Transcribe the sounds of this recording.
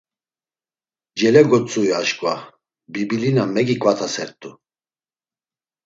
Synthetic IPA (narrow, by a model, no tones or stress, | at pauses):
d͡ʒɛlɛɡɔt͡sʼujaʃkʼva | bibilinamɛɡikʼvat̪ʰasɛɾt̪ʼu